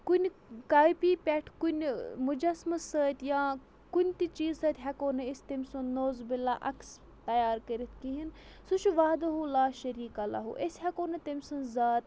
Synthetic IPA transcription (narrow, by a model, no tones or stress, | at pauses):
kunʲkaːjpiːpʲɛʈʰkunʲmud͡ʒɐsmɐsəːt̪ʲjãː | kunʲt̪it͡ʃiːzsɐːt̪ʲɦʲɐkoːnɐisʲt̪ɐmʲsunnoːzbilaʔɐks | t̪ɐjaːɾkəɾit̪kiɦin | suʃuʋaːd̪ɐɦulaːʃɐɾiːkɐla̰ɦṵʔesʲhɐkoːnɐt̪ɐmʲsunzaːt̪